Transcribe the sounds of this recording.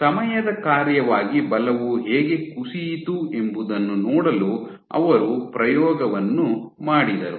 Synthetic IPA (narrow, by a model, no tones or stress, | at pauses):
sɐmɐjɐd̪ɐkaːɾjɐʋaːɡibɐlɐʋuɦeːɡe̞kuʂijt̪ue̞mbud̪ɐnːunɔːɽɐlu | ɐ̰ʋɐɾupɾɐjɔːɡɐʋɐnːumaːɽid̪ɐɾu